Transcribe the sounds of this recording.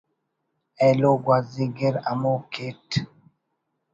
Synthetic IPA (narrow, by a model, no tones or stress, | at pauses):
ɛloɡwaziɡeɾamoket